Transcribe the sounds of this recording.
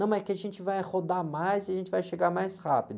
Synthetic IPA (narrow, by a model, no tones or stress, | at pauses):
nɐ̃w̃ɛkɪaʒẽnt͡ʃɪvajhod̪amajziɐʒẽnt͡ʃɪvajʃeɡaɾmajshapid̪ʊ